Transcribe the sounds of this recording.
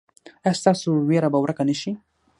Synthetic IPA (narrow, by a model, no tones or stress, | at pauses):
ast̪ɑsoweɾabawɾəkanəʃi